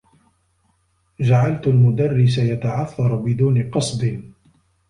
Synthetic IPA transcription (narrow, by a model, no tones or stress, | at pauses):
d͡ʒaʕalt̪almʊd̪arːɪs̬ajat̪aʕaθːɑɾˤbɪd̪uːnɪqɑsˤd̪ɪ